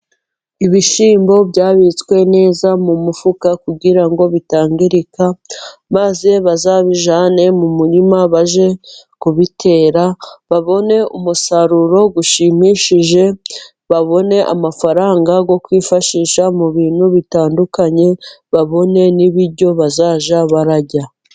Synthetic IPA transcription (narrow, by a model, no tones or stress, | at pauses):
iβiʃiːmbo̞bɟaːβit͡skwe̞ne̞ːzamumufukakuɡiɾaŋɡo̞βitaːŋɡiɾikamazeβazaːβiʒaːne̞mumuɾimaβaʒe̞kuβitʰe̞ːɾaβaβo̞ne̞umusaɾuɾo̞ɡuʃimiʃiʒe̞ | βaβo̞ne̞ʔa̰mafaɾaːŋɡaɡo̞kwiːfaʃiʃamuβiːn̥huβitaːndukaɲe̞βaβo̞ne̞niβiɾɟo̞βazaːʒaβaɾaɟa